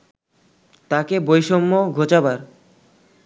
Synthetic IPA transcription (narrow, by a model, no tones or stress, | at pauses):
t̪akebojʃomːoɡʱot͡ɕabaɾ